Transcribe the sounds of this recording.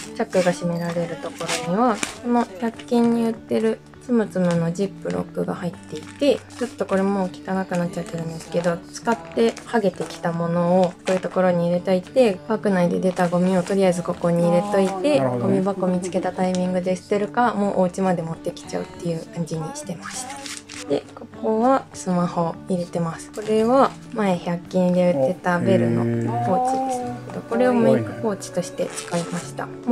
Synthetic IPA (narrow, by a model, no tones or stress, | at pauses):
t͡ɕakːɯ̟ɡaɕime̞ɾaɾe̞ɾɯ̟t̪o̞ko̞ɾo̞ɲ̟iβasono̞kʲakʲːĩɲ̟ːijɯ̟t̪ːe̞ɾɯ̟ | sɨmɯ̟t͡sɨmɯno̞d͡ʑipːɯ̟ɾʔo̰kːɯ̟ɡa̰hait̪ːe̞it̪e̞t͡ɕo̞t̪ːo̞ko̞ɾe̞mo̞ːkʲi̥kanakɯ̟natt͡ɕ̚ːt͡ɕat̪ːeɾɯ̟̃nd̪e̞sɨ̥ke̞d̪o̞t͡sɨ̥kat̪ːe̞haɡe̞t̪e̞kʲi̥t̪amo̞no̞ːsojɯ̟t̪o̞ko̞ɾo̞ɲ̟iːɾe̞t̪oit̪e̞bakɯ̟naid̪e̞d̪e̞t̪aɡo̞mʲio̞t̪o̞ɾʲijazɨko̞ko̞ɲ̟iːɾe̞t̪o̞it̪e̞ɡ̥o̞mʲibako̞mʲit͡sɨ̥ke̞t̪at̪aimʲĩŋɡɯ̟d̪e̞sɨ̥t̪e̞ɾɯ̟kamo̞ːʔoɯt͡ɕimad̪e̞mo̞t̪ːe̞kʲi̥t͡ɕa̰ɯ̟̰t̪ːe̞jɯ̟ːkãɲ̟d͡ʑiɲ̟iɕi̥t̪e̞maɕi̥t̪ḁd̪̥e̞ko̞ko̞βasɨmaho̞iɾe̞t̪e̞masɨ̥ko̞ɾe̞βa | mae̞çakʲːĩnd̪e̞ɯt̪e̞t̪abe̞ɾɯ̟no̞̰ho̞ːt͡ɕid̪esɨ̥ked̪o̞̰ko̞ɾe̞o̞meikɯ̟ho̞ːt͡ɕi̥t̪o̞ɕi̥t̪e̞̰t͡sɨ̥kaimaɕi̥t̪a̰